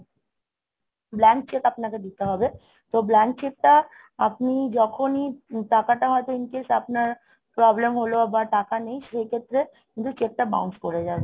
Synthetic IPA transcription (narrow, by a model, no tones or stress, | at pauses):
blɛnk̚t͡ʃekapnaked̪it̪eɦɔbe | t̪oblɛnk̚t͡ʃek̚ʈa | ap̚nid͡ʑɔkʰoniʈakaʈaɦɔet̪oinkesapnaɾ | pɾɔblemɦoloabaɾʈakanej̃ʃejkʰet̪ːɾe | kint̪ut͡ʃek̚ʈaba̰unskoɾed͡ʑaːe